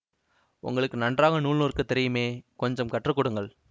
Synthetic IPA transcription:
ʊ̰ŋɡɐɭɯkːɯnɐɳdraːɣɐnuːɭnuːrkɯt̪ːɪɾɐjɯmeːkɔɲd͡ʒɐmkɐʈːrɯkːʊɽɯŋɡɐɭ

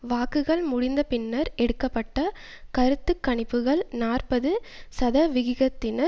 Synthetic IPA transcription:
ʋaːkɯɣɐɭmʊɽɪnd̪ɐpɪnːɐɾɛɽɯkːɐpːɐʈːɐ | kɐɾɯt̪ːɯkːɐɳɪpːɯɣɐɭnaːrpɐðɯsɐðɐʋɪɣɪɣɐt̪ːɪnɐ

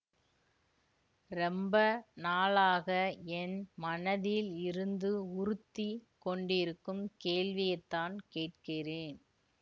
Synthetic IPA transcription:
ɾɛmbɐnaːlaːɣɐɛnmɐnɐðɪlɪɾɯnd̪ɯʊɾɯt̪ːikɔɳɖɪɾɯkːɯmkeːlʋɪjɐɪt̪ːaːnkeːʈ̚kɪreːn

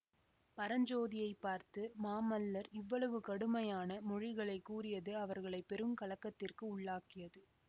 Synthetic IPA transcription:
pɐɾɐɲd͡ʒoːðɪjɐɪpːaːɾt̪ɯmaːmɐlːɐɾɪʋːɐɭɐʋɯkɐɽɯmɐjaːnɐmɔɻɪɣɐɭɐɪkːuːɾɪjɐðɯɐʋɐɾɣɐɭɐɪpːɛɾɯmkɐɭɐkːɐt̪ːɪrkɯʊɭːaːkɪjɐðɯ

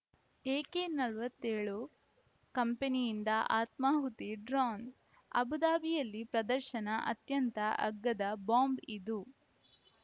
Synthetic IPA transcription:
eːkenɐlʋɐt̪ːeːɭu | kɐmpenijind̪ɐʔa̰ːt̪maːɦut̪iɖɾaːn | ɐ̰bud̪aːbijɐlːipɾɐd̪ɐɾʃɐnɐʔɐ̰t̪jɐnt̪ɐʔɐ̰ɡːɐd̪ɐbaːmbid̪u

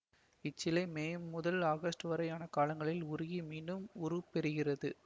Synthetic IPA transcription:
ɪt͡ʃːɪlɐɪmeːʊðɐlaːɣɐsʈɯʋɐɾɐɪjaːnɐkaːlɐŋɡɐɭɪlʊɾʊɣimiːɳɖɯmʊɾɯpɛɾɯɣɪrɐðɯ

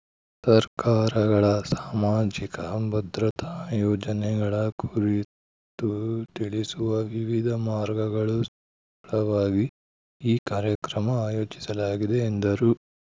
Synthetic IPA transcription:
sɐɾkaːɾɐɡɐɭɐsaːmaːd͡ʒikɐbɐd̪ɾɐt̪ʰajɔːd͡ʒɐnɛɡɐɭɐkʰuɾi | t̪ut̪iɭisuʋɐʋiʋid̪ʱɐmaːɾɡɐɡɐɭus | ɾɐʋaːɡi | iːkaːɾjɐkɾɐmɐaːjoːt͡ʃi̥sɐlaːɡid̪eːnd̪ɐɾu

